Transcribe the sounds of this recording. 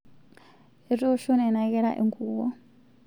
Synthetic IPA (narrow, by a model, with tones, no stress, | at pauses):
e˨ri˦ɔ˦ʃo˦nɛ˨na˨kɛɺa̰ʔḭ˨ŋɡuːwɔ˦